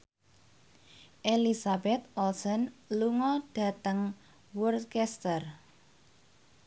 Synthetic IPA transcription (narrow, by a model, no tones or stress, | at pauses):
ʔelisabɛt̪̚ɔlsɔnluŋɔɖ̥ä̤t̪əŋ | wurkɛst̪ər